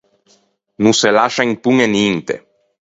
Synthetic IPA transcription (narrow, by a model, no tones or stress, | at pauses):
nuselaʃaŋpuŋenint̪ḛ